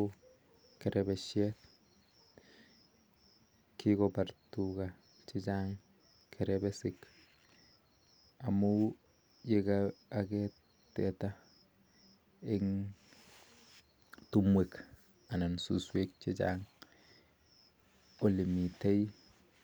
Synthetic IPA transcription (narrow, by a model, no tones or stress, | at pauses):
keɾʔɛbeʃɛt̚ | kikopaɾtuka | t͡ʃet͡ʃaŋ | kʰɛɾɛbesɪk | amu | jekaːkɛ | tɛta | eŋ | tumwek | anansuswek̚t͡ʃet͡ʃa̰ŋ | olimitei